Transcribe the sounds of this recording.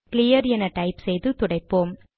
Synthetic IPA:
klɪjɐɾɛnɐʈɐɪpsɛjðɯt̪ʊɽɐɪpːoːm

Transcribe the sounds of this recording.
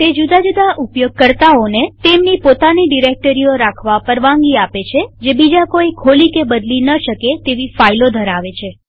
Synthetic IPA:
t̪ed͡ʒud̪ad͡ʒud̪ʱaʔupjoɡ̚kəɾt̪aonet̪emnipot̪aniɖiɾek̚ʈəɾijoɾakʰʋapəɾʋãŋɡiapet͡ʃʰed͡ʒebid͡ʒakoikʰolikebəd̪linəʃəket̪eʋifailod̪ʱəɾaʋet͡ʃʰe

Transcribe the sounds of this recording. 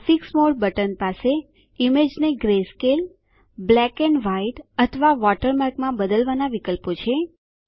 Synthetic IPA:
fiksmoɭbəʈənpase | imed͡ʒneɡɾeskel | blɛkɛɳɖʋaiʈət̪ʰəʋaʋɔʈəɾmaɾɡmãbəd̪əlʋanaʋikəlpot͡ʃʰe

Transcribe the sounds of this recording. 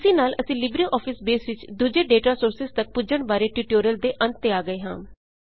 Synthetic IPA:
sĩːnaːlʔəsĩːlɪbɾiʔɔːpʰɪsbeːsʋɪt͡ʃd̪ud͡ʒeːɖeːʈaːsoːɾsɪzt̪ək̚pʊd͡ʒəɳbaːɾeːʈuːʈoːɾijəld̪eːʔə̃nt̪ːeaːɡəeːɦãː

